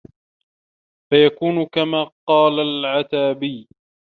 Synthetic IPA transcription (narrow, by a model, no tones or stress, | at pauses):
fajakuːnʊkamaːqɑːlalʕat̪aːbiː